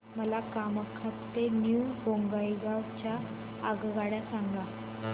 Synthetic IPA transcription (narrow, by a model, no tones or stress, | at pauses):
məlakaməkʰat̪ːenjuboŋɡajɡawt͡ɕaː | ɡɡaɽasaŋɡa